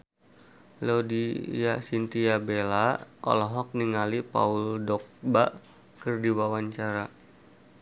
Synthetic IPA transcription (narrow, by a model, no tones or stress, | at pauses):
lodijasint̪iabelaɔ̰lɔɦɔk̚niŋalipa̰uldɔk̚ba | kɨrdiwawaɲt͡ʃaɾa